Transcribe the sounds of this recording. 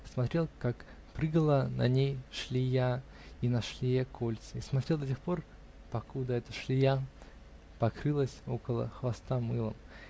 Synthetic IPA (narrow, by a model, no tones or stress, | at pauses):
smɐt̪ɾʲe̞lˠkak | pɾɨɡəlˠənɐ̰nʲejʂlʲija | inɐʂlʲɪjakolʲt̪sɨismɐt̪ɾʲelˠd̪ɐtʲexpo̞r | pɐkud̪əɛt̪əʂlʲɪja | pɐkɾɨlˠəsʲo̞̰kəlˠə̰xvɐst̪amɨlˠə̰m